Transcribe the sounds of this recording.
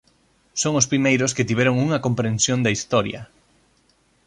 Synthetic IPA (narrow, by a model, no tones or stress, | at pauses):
soŋospɾimejɾosket̪iβ̞ɛɾoŋuŋɐkompɾẽnsjond̪ɐist̪ɔɾjɐ̰